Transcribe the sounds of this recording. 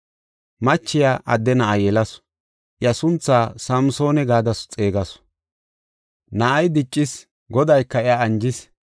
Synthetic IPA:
mɐt͡ʃːɪjaːʔɐd̪ːɛnɐʔɐjɛlɐs | ʔɪjɐsʊnt͡sːaːsɐmso̞ːnɛɡaːd̪ɐsʊ̥t͡sʼeːɡɐs | nɐʔɐjd̪ɪt͡ʃʼːɪs | ɡɔd̪ɐjkːɐɪjaːnd͡ʒɪs

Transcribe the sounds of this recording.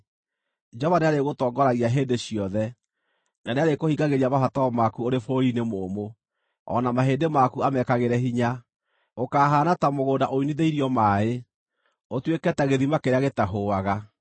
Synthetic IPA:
d͡ʒɔβaneaɾeɣotɔːŋɡɔɾaɣiaɦeːndeɕijɔðɛ | naneaɾekohiɡaɣeɾiamafataɔmakuoɾefoɾinemoːmo | ɔ̰namaɦeːndemakuamɛkaɣeɾɛɦiɲa | okaːɦaːnatamoɣoːdaʔoiniðeiɾiɔmaːe | otwekɛtaɣeðimakeɾeaɣetaɦoaɣa

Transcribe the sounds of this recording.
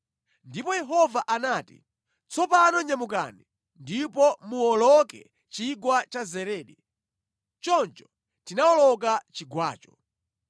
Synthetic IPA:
ndipɔjɛɦɔvaʔanaːtḭ | t͡sʰɔpanɔɲamuk̬a̰ni | ndipɔmuɔlɔkɛ̰ | t͡ʃiɡwat͡ʃazɛɾɛːɗɛ | t͡ʃɔnt͡ʃɔ̥ | tinaɔlɔk̬at͡ʃiɡwa̰ːt͡ʃɔ̥

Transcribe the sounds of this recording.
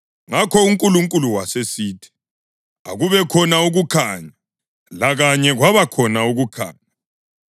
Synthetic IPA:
ŋakʰɔuŋkʼuluŋkʼuluwasesiːtʰi̥ | a̰ɣuβɛkʰɔnauɣukʰa̰ɲa | laɣaɲɛɣwaβakʰɔnauɣukʰa̰ːɲa

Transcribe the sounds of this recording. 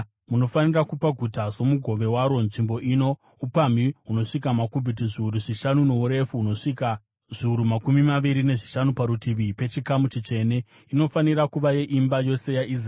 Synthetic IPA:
muno̞fanirakupaɡʱutazo̞muɡʱo̞ʋe̞waɾo̞nʐimbo̞ʔiːno̞ | upamiɦuno̞ʂikamakubʱit̬iʐiuɾuʐiʃanuno̞uɾe̞fuːno̞ʂika | ʐ̥iuɾumakumimaʋiɾine̞ʐiʃanupaɾutiʋipe̞t͡ʃikamut͡ʃit͡ʂe̞ne̞ | ino̞faniɾakuʋaje̞ʔimbajo̞se̞jaʔisr

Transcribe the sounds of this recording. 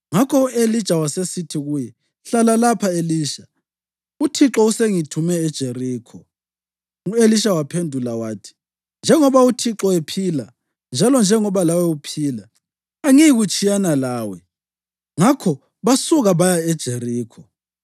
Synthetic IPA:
ŋakʰɔuʔelid̥t͡ʃʼawasesitʰiɣujɛ | ɬalalapʰaeliːʃa | utʰiǁɔuseŋitʰumɛːd̥ʒ̥ʱeriːkʰɔ | ueliʃawapʰendʱulawaːtʰi̥ | nd͡ʒʱɛŋɔβautʰiǁɔepʰiːla | nd͡ʒʱalɔnd͡ʒʱɛŋɔβalawɛupʰiːlaː | ŋijiɣut͡ʃʼijanalaːwɛ | ŋakʰɔ | βasuɣaβajaɛd̥ʒ̥ʱeriːkʰɔ

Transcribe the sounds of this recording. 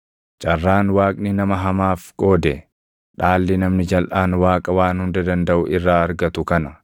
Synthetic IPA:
t͡ʃʼɐrːaːnwaːkʼnɪnɐmɐɦɐmaːfkʼo̞ːd̪ɛ | ᶑaːlːɪnɐmnɪd͡ʒɐlʔaːnwaːkʼɐwaːnhʊnd̪ɐd̪ɐnd̪ɐʔʊʔɪrːaːɐɾɡɐt̪ʊkɐnɐ

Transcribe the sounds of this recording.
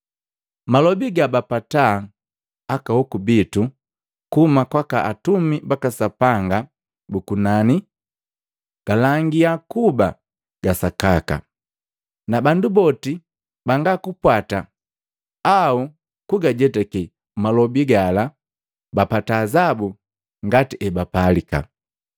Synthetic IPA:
malɔbiɡabapata | akahɔkubitu | kumakwaka̰ʔatumibakasapaŋɡa | bukunani | ɡ̥alaŋɡiakuba | ɡ̥asakaka̰ | nabandubɔti | baŋɡakupwata | au | kuɡaɟɛtɛki | malɔbiɡala | bapataːzabu | ŋɡatiʔɛbapalika̰

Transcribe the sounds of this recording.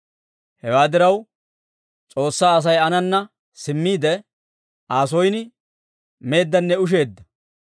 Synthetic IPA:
hɛwaːd̪ɪɾɐw | t͡sʼo̞ːsːaːɐs̬ɐjɐnɐnːɐ | sɪmːiːd̪ɛ | aːs̬ɔjnɪ | me̞ːd̪ːɐnːɛʊʃ̬e̞ːd̪ːɐ

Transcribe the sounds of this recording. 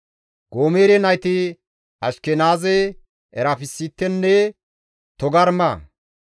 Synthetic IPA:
ɡ̥oːmeːɾɛnɐjt̪ɪ | ɐʃkɛnaːzɛ | ʔɛɾapɪsːit̪ːɛnːɛ | t̪ɔɡɐɾmɐ

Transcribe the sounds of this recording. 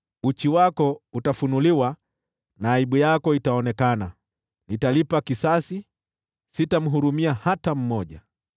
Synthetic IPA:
ut͡ʃiwakɔutafunuliwa | naːiɓujakɔitaɔnɛkana | nitalipakisasi | sitam̩ɦuɾumiahatam̩mɔʄa̰

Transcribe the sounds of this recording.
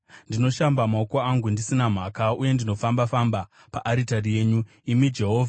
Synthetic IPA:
ndino̞ʃambamaokoaŋɡundisinam̤aːkauje̞ndino̞fambafamba | paʔaɾitarije̞ːɲu | imid͡ʒe̞ɦo̞ːvʱa

